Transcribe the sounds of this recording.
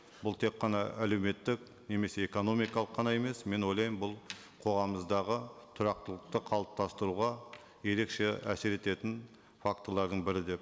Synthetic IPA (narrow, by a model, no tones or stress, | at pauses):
bʊlˠt̪ʰe̞kqːɑnɑʔæle̞wme̞t̪ːɪk | ne̞me̞se̞ːko̞no̞mijkɑlˠəqʰːɑnɑe̞me̞sme̞nwo̞jlˠɑjəmbʊlˠ | qʰo̞ʁɑməzd̪ɑʁət̪ʰʊɾɑq̚t̪əlˠəqt̪əqʰɑlˠəp̚t̪ʰɑst̪əɾuʁɑ | je̞ɾe̞kʃe̞æseɾe̞t̪e̞t̪ɪn | fakt̪əlˠɑɾd̪əɴbɪɾɪd̪e̞p̚